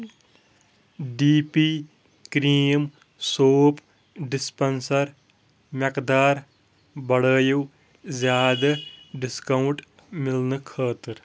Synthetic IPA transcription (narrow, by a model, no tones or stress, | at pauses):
ɖiːpiː | kɾiːm | soːp | ɖɪspɐnsɐɾ | mekd̪aːɾ | bɐɽəːjuw | zjaːd̪ɐɖɪskɐwɳʈ | mɪlnɨkʰəːt̪ɨɾ